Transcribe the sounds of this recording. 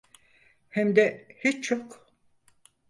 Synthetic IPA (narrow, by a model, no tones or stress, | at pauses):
hɛmd̪ɛhit͡ʃt͡ʃʰok